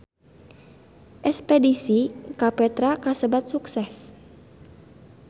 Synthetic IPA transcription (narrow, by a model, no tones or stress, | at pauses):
ʔɛspɛdisikapɛt̪ɾakasəbat̪̚suksɛs